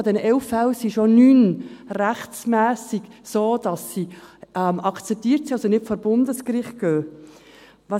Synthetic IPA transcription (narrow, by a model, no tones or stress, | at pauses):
dɛnəʔɛlfɛwsiʃonyːnræχt͡smæːsiɡsoːd̥ɑsːiɛmɑkt͡sɛp̚t̪iːɾtsiɑsɔnɪtfoːɾbʊndəskɾɪχt̚ɡ̥øː | ʋɑ